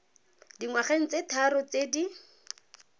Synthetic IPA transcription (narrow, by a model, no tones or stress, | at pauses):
diŋwaχeŋ̩t͡setʰaɾʊt͡sedi